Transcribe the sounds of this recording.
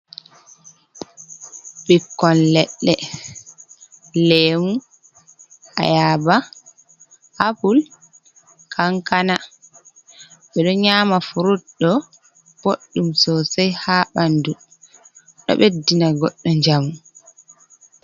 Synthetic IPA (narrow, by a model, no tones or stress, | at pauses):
ɓikːɔnlɛɗːɛ | leːmu | ʔa̰jaba | ʔapul | kʰaŋkana | ɓɛɗɔɲaːmafuɾutɗɔ | b̥oɗːumsɔsɛjhaːɓandu | ɗɔ̰ɓɛdːinaɡɔɗːɔɲd͡ʒamu